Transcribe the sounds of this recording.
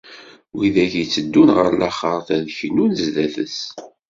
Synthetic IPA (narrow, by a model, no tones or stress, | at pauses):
wiðæʝit͡sːəd̪ːunʁəɾlæχəɾˤθæðçnunzðæθə̰s